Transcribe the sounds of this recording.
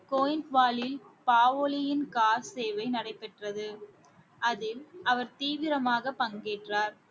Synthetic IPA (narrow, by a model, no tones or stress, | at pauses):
koːjɪnʈʋaːlɪlpaːʋoːlɪjɪnkaːɾseːʋɐɪnɐɽɐɪpːɛʈrɐðɯ | ɐðɪlʔɐʋɐɾt̪iːʋɪɾɐmaːɣɐpɐŋɡeːʈraːɾ